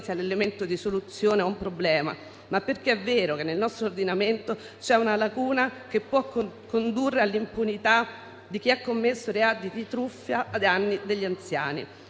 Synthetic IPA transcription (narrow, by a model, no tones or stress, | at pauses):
sialːelement̪od̪isolut̪sːjoːneaumpɾoblɛːma̰ | mapːerk̟eɛvːeːɾokenːelnɔst̪ɾoːrd̪inament̪o | t͡ʃɛunalakuːnak̟epːwɔkːokːond̪urːealːimpunit̪a | d̪ik̟iakːomːesːoɾead̪id̪it̪ɾufːjaːd̪anːid̪eʎːiant̪sja̰ːnḭ